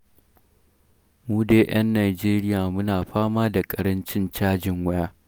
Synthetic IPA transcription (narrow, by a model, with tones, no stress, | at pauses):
muː˦deː˦ʔɐ˦nːaː˨d͡ʒeː˦ɾɪ˦jaː˨mʊ˦naː˨ɸaː˦maː˦da˨kʼɐ˨ɾɐ˦nt͡ʃɪ˦nt͡ʃaː˦d͡ʒɪ˨ŋwɐ˦jaː˦